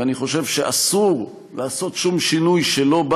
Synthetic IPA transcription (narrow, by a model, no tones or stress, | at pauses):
aniχo̞ʃe̞vʃeʔasuʁ | leaso̞tʃumʃinujʃelo̞b